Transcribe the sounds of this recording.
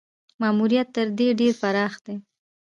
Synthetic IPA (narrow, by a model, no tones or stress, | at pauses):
mɑmuɾijat̪ːəɾd̪eɖeɾfaɾɑxd̪e